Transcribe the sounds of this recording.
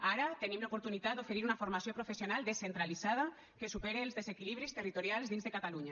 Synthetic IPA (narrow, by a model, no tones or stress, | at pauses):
aɾat̪enimlaopoɾt̪unit̪at̪̚d̪ofeɾiɾunafoɾmasjopɾofesjonalˠd̪esent̪ɾalizað̞a | kesupeɾeːlzðezekiliβɾist̪ərit̪oɾjalˠzðinzðekat̪aluɲa